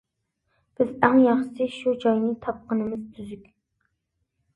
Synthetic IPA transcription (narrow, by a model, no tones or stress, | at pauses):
b̥ɪzæŋjɑχʃɨ̥sɨʃud͡ʒɑjnɨt̪ʰɑp̚qənɨmɪzt̪ʰyzykʲ